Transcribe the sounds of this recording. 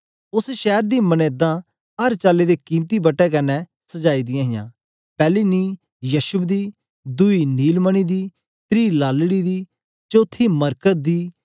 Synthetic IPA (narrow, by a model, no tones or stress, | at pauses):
ʊsʃɛːɾd̪iːməneːd̪ãː | ɦɐɾt͡ʃaːled̪eːkiːmt̪iːbəʈːɛkɐnːɛsəd͡ʒaːiːd̪ɪjãːɦɪjã̰ː | pɛːliːniː | jəʃʊbd̪iː | d̪ʊiniːlməɽ̃iːd̪iː | t̪ɾiːlaːlɽid̪iː | t͡ʃoːt̪ʰːiməɾkət̪̚d̪iː